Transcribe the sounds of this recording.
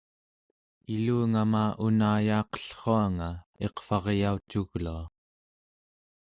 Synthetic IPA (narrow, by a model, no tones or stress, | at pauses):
iluːŋamaːʔunaːjɑːqə̥ɬχoaŋae̞qfɑʁjaut͡ʃuɣlua